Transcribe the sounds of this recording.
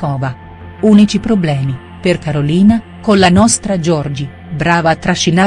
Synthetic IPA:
ɔːva | uːnit͡ʃipɾoblɛːmi | perkaɾoliːna | konlanɔst̪ɾad͡ʒɔrd͡ʒi | bɾaːvaːt̪ːɾaʃːina

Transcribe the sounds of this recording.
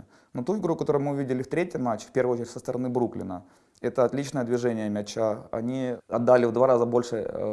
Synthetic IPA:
not̪uɪɡɾukəɐt̪o̞ɾʊjmɨʊvʲidʲɪlʲɪft̪ɾʲetʲjɪmat͡ɕːɪ̥fʲpʲe̞rvəɨot͡ɕɪɾʲɪtʲsəst̪əɾɐnɨbɾuklʲɪ̰nə | ɛt̪əɐt̪lʲit͡ɕnəjəd̪vʲɪʐɛnʲɪjəmʲɛt͡ɕːaɐ̰nʲiɐd̪ːalʲɪvd̪vaɾazəbo̞lʲʂɨ

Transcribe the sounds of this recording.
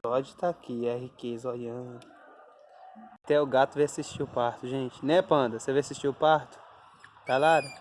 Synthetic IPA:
ɔd͡ʒʊt̪aːkiɛhikezɐoʎɐ̃ʊ | t̪ɛʊɡat̪ʊvajasiʃt͡ʃiʊpaɾt̪ʊʒẽnt͡ʃɪ̥nɛ̃pɐ̃d̪ɐsevajasisʃt͡ʃiʊpaɾt̪ʊ̥ | t̪alad̪ɐ

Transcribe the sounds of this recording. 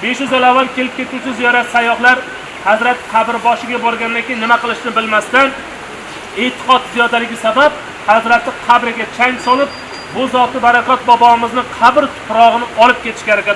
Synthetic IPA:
be̞ʃjʊzalavːalˠkʲe̞lɪp̚kʲʰe̞t̪ʰut͡ʃʰɪzɪjaɾasajɒχlˠaɾ | hazɾat̪qʰɑbɪɾbɒʃɪɡʲabɒɾɡʲanɪd̪ankʲejnɪmaqɨlˠɪʃnɪbɪlmast̪an | et̪ʰɨ̥qʰɒt̪zijɒd̪alɪɡʲɪsabap̚ | hazɾat̪ʰːɪqʰɑbɾɪɡʲat͡ʃʰaŋsɒlɪp̚ | bʊzɒt̪ɪbaɾakʲʰɒt̪̚bɒbɒmɪznɪqʰɑbɾt̪ʰʊ̥pɾɒʁɨnɪɒlˠɪp̚kʲʰe̞t̪ʰɪʃkʲaɾakʲa

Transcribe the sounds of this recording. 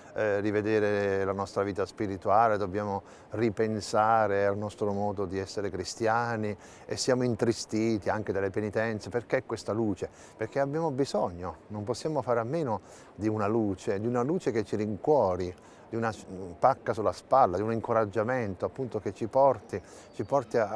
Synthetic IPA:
d̪ived̪ɛːɾelanɔst̪ɾaviːt̪aspiɾit̪uaːled̪objaːmo | ripensaːɾealnɔst̪ɾomɔːd̪od̪iɛsːeɾekɾist̪jaːni | esːjaːmoint̪ɾist̪iːt̪iaŋk̟ed̪alːepenit̪ɛnt̪seperk̟eɛkːwest̪aluːt͡ʃe | perk̟eabjaːmobizɔɲːonomposːjaːmofaːɾamːeːno | d̪iunaluːt͡ʃed̪iunaluːt͡ʃeket͡ʃːiɾiŋkwɔːɾi | d̪iunapakːasulːaspalːad̪iuniŋkoɾad͡ʒːament̪oapːunt̪oket͡ʃːipɔrt̪i | t͡ʃipɔrt̪ia

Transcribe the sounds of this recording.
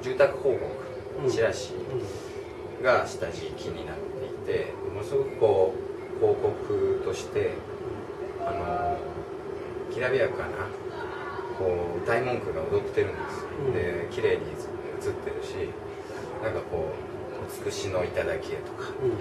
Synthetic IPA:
d͡ʑɨːt̪akɯ̟̥ho̞ːko̞kɯ̟̥ | ɕiɾaɕi | ɡaɕi̥t̪aʑikʲʰiɲ̟inat̪ːe̞̰it̪e̞̰mo̞nosɨɡo̞kɯ̟̥ko̞ː | kʰo̞ːko̞kʰɯ̟t̪o̞ɕi̥t̪e̞ | ano̞ | kʲiɾabiakkana | ko̞ːd̪aimõ̞ŋkɯ̟ɡaod̪o̞tt̪e̞ɾɯ̟̃nd̪esɨ̥od̪ekʲiɾe̞ːɲ̟i | ɯt͡sɨt̪ːe̞ɾɯ̟ɕi | nãŋkako̞ː | ot͡sɨ̥kɯ̟ɕino̞it̪ad̪akʲiet̪o̞̥kḁ

